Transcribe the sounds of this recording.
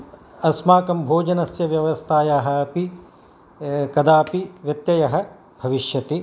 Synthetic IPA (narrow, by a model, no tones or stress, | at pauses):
ɐsmaːkɐmbʱoːd͡ʒɐnɐsjɐʋjɐʋɐst̪ʰaːjaːɦɐɐpi | kɐd̪aːpiʋjɐt̪jɐjɐɦɐ̆ | bʱɐʋiʃjɐt̪i